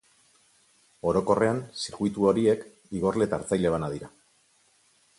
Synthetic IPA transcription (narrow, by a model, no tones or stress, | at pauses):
o̞ɾo̞ko̞re̞ansiɾɣuit̪uo̞ɾie̞k | iɣ̞o̞rle̞t̪a̰ːɾt͡sajle̞β̞anaðiɾa